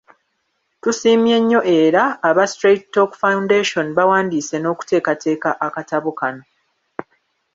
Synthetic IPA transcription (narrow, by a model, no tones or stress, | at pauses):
tusiːmje̞ɲːo̞ʔe̞ːɾaːβastɾeittːokfawundeʃo̞nβawaːndiːse̞no̞ːku̥te̞ːkatʰe̞ːkaʔakataβokano̞